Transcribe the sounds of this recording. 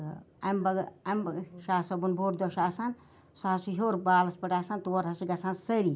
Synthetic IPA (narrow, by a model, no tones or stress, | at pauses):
ɐ̰mbɐɡɐmʃaːsɐbunboːɾd̪oʃaːsan | saːsuɦoːɾbaːlɐspɐʈaːsant̪uɐɾɐsiɡɐsaːnsɐɾi